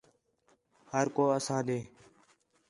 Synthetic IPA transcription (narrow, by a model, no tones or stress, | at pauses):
həɾkoːəsãːd̪eː